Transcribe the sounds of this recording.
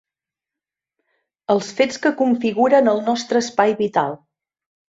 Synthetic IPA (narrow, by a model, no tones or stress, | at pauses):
əlˠsfet͡skəkuɱfiɣuɾənəlˠnɔst̪ɾəːspajβit̪a̰lˠ